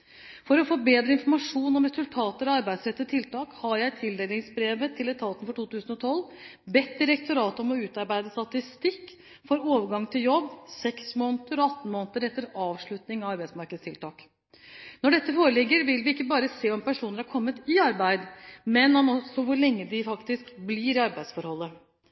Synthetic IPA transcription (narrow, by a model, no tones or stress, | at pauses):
fɔɾɔfoːbeːd̪ɾəɪnfɔɾmɑʂuːnɔmɾɛsʉlt̪ʰɑːt̪əɾɑɑɾbæɪsɾɛt̪ːət̪ʰːɪlt̪ɑːkhɑɾjæɪt̪ʰɪld̪eːlɪŋsbɾeːʋət̪ʰɪlɛt̪ʰɑːt̪ən̩fɔʈʰuːt̪ʉːsənɔt̪ʰɔlːbɛt̪ːd̪ɪɾɛkt̪ʊɾɑːt̪əɔmɔʉːt̪ɑɾbæɪd̪əst̪ɑt̪ɪst̪ɪkː | fɔɾoːʋəɾɡɑŋːt̪ʰɪljɔbːsɛksmoːnət̪əɾɔɑt̪ːn̩moːnət̪əɾɛt̪ːəɾɑːʋʂɭʉt̪nɪŋɑʋɑɾbæɪsmɑɾkəd̪st̪ɪlt̪ʰɑːk | nɔɖɛt̪ːəfoːɾəlɪɡːəɾʋɪlʋɪɪkːəbɑːɾəseːɔmpæʂuːnəɾhɑɾkʰɔmːət̪ɪɑɾbæɪd̪mɛnɔmɔsɔʋʊɾɭɛŋːəd̪ɪfɑkt̪ɪskblɪɾɪɑɾbæɪsfɔɾhɔlːə